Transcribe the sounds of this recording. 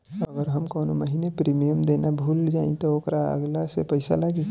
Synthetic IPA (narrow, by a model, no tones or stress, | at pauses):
əɡəɾɦɐmkɔːnoməɦinepɾiːmijəmd̪eːnabʱuːld͡ʒaːḭ̃t̪ooːkɾaə̰ɡlasepɐɪsa̰laːɡi